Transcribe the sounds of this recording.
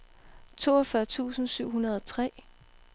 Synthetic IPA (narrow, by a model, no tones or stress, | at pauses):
t͡sʰo̝̰ːɒfɶɐt͡sʰṵːsn̩syʊ̰ɦunɐð̞ˠɒt͡sʰʁɛ̰ː